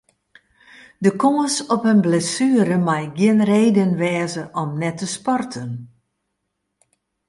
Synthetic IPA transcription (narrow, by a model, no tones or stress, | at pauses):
dəkoːəsɔpənblɛsyəɾəmajɡjɪənreːdənʋɛːzəʔɔmnɛtʰəspɔrtʰən